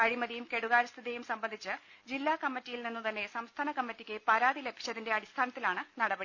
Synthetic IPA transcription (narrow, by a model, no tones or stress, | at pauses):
ɐɻimɐðijumke̞ɽuɣaːɾst̪ʰiðejumsɐmbɐnd̪ʱit͡ɕːɨd͡ʑilːaːkɐmːitːijilninːut̪ɐnːe̞sɐmst̪ʰaːnɐkɐmːitːikʲːɨpɐɾaːðile̞bʱi̥t͡ɕːɐðinde̞ɐɽist̪ʰaːnɐt̪ːilaːɳɨnɐɽɐbɐɽi